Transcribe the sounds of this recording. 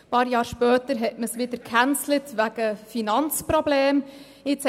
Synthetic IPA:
pɑːɾjɑːɾʃpœːtəɾɦɛtməsʋɪd̥̪əɾkʰænt͡slətʋæɡ̥əfinɑnt͡spɾɔbleːm | ɪt͡s

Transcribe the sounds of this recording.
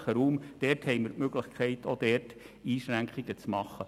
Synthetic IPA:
χəɾuːmd̥ɛrthɛɪjmɪɾmøɡləχkʰɛɪtʰod̥̪ɛrt | iːʃɾæŋkχiɡ̥ət͡smɑχːə

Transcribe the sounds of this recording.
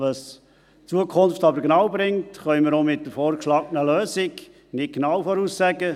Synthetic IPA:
ʋɑs | t͡suəkʰʊnft̪ɑbəɾɡnɑwbɾɪŋtχœʏməɾomɪt̚dəfɔːɾkʃlɑːɡnəløːsɪk | nɪt̚knɑwfɔɾuːssæɡə

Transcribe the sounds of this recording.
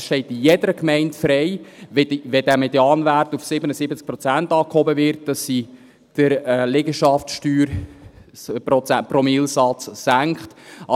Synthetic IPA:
ʃtɛɪtijɛdəɾəkmɛɪntfɾɛɪvɛʋɛdæmɛdeɑːnværtufsɪbənəsɪbət͡sk̚pɾɔt͡sæntɑːkhɔbəvɪrt̚d̥ɑsːi | d̥əɾɛlɛɡəʃɑftʃtyːɾ | pɾɔt͡sæprɔmɪlsɑt͡ssæŋkχtɑ

